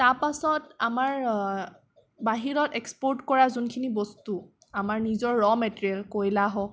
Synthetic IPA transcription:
taɹpasɔtamaɹ | baɦiɹɔtekspɔɹtkɔɹazunkʰinibɔstu | amaɹnizɔɹːɔmɛtɹiɛlkojlaɦɔ

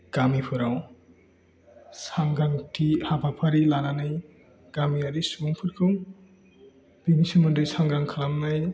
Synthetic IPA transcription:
ɡ̥amipʰɯɾaw | saŋɡaŋtʰihabapʰaɾilananɯj | ɡ̥amiaɾisuuŋpʰɯɾkʰɯŋ | b̥imisimɯndɯjsaŋɡɾaŋkʰalamnaj

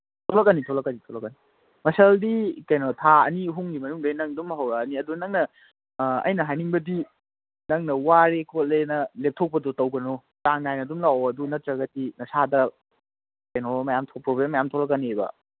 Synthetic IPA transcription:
tʰolɐk̚ːɐnitʰolɐk̚ːɐnitʰolɐk̚ːɐni | mɐsɐldikɐjnotʰaɐniɦuŋɡimɐnuŋdɐjnɐŋdumɦɐwɾɐːniɐdunɐŋnɐ | ɐ̰jnɐɦajniŋbɐdi | nɐŋnɐwaɾekʰol̚lenɐlep̚tʰok̚pɐdotɐwɡɐno | taŋnajnɐdumlawoɐdunɐtɾɐɡɐtinɐsadɐ | kɐjnomɐjamtʰopɾoblemːɐjamtʰolɐkːɐnibɐ̰

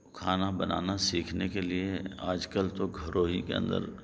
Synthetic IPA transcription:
kʰaːnabɐna̰ːnasiːkʰnekelieaːd͡ʒkəlt̪oɡʱɐɾoːɦikḛə̰̃nd̪ə̰ɾ

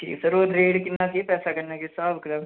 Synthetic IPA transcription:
kʰḭːsəɾoːɾeːɽkɪnːãːkepɛːsaːkəɾnaːkesaːbkɾəm

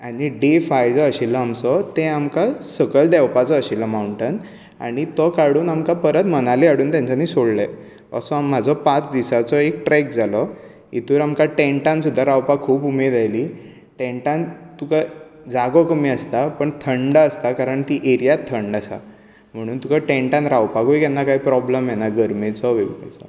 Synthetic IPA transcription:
aɽ̃iɖefajd͡zɔəɕilːɔamsɔt̪ẽamkasəɡəɭd̪ɛwpat͡sɔəɕilːɔmawɳʈən | a̰ɽ̃it̪ɔkaɽuːnamkapəɾət̪mənaliaɽuːnt̪jãɲt͡ɕaniːsoɽləɛ | a̰sũam̤ːad͡zʱɔpãt͡sd̪isat͡sɔekʈɾɛk̚d͡zʱalɔ | ḭt̪uːɾamkaʈẽɳʈãnsud̪ʱːaɾawpakʰːuːpumed̪ajliː | ʈẽɳʈãnt̪ukad͡zaɡɔkəmiːəst̪apəɳt̪ʰəɳɖaəst̪akaɾəɳt̪iːʔeɾijat̪ʰːəɳɖasa̰ | m̤əɽ̃uːnt̪ukaʈẽɳʈãnɾawpakojkjanːakaɦiːpɾɔbləmjenaɡəɾmet͡sɔʋeɡḛt͡sɔ

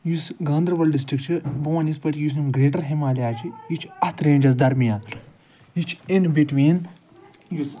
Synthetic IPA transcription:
jusɡãːnd̪ɾɐʋɐlɖɖis̬ʈɾik̚ʈt͡ʃʰibɐʋɐnispɐʈʲjusimɡɾeːʈ̬ɐɾɦimaːliaːt͡ʃʰijit͡ʃʰɐt̪ʰɾẽːnd͡ʒɐs̬d̪ɐɾmijãː | jit͡ʃʰenbiʈʋiːn

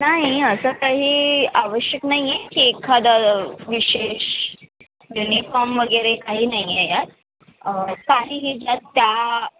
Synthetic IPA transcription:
naɦiəsəkaɦiːaʋəɕjəknaɦjjekiekʰad̪aʋiɕeɕ | junifɔɾmʋəɡəɾekaɦiːnajejat̪̚ | kaɦiːɦid͡ʑat̪ːja

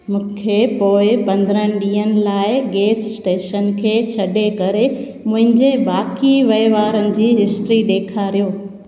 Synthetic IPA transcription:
mũːkʰepoːɪpɐ̃nd̪ɾə̃ɪɗiːənɪ̆laːɪɡeːssʈeːʃənkʰeːt͡ɕʰɐɗekɐɾe | mʊ̃ɦɪ̃ɲd͡ʑebaːkiʋɐɪʋaːɾənɪ̆d͡ʑiːɦɪsʈɾiɗ̪eːkʰaɾijoː

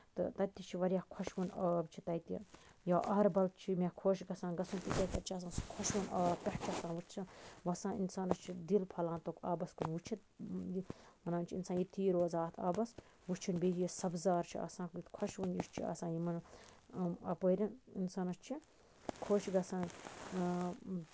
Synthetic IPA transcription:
t̪ɨ̰t̪ɐt̪ʲːit͡ʃʰiʋɐɾjakʰɐʃʋunɐːbt͡ʃʰi̥t̪ɐjt̪ḭjaːʔɐːɾbɐl̚t͡ʃʰimekʰoːʃɡɐsãːnɡɐsunt̪it̪ʲɐk̪ɐɾt͡ʃʰiɐsãːskʰɔʃʋunʔɐːb̚pʲɐht͡ʃʰɐsãːnʋut͡ʃʰsʋɐsãːḭnsaːnɐst͡ʃʰid̪ilpʰɐlãːnt̪okaːbɐskunʋut͡ʃʰit̪̚jimɐnaːnt͡ʃʰiinsaːnjit̪iːɾoːzaːt̪ʰaːbɐs | ʋut͡ʃʰinbed͡ʒjisɐbzaːɾt͡ʃʰiɐ̰sãːkt̪kʰɐʃʋunjiʃt͡ʃʰḭɐ̰sãːnjimɐn | ɐpəːɾʲɐninsaːnɐst͡ʃʰi | kʰoːʃɡɐsãːn

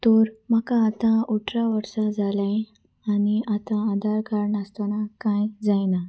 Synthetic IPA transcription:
t̪ɔɾməkãːt̪ãuʈʰɾaʋəɾsad͡zʱalã | aniat̪ãːd̪ʱaɾkaɾɳəst̪anakãjd͡zajna

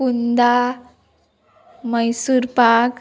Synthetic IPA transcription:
und̪a | məjsuɾpak

